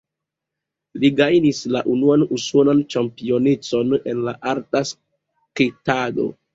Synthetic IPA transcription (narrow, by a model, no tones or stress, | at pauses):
liɡajnislaʔunuanuso̞nant͡ʃampio̞net͡so̞ne̞nlaʔaɾtas | kitado̞̰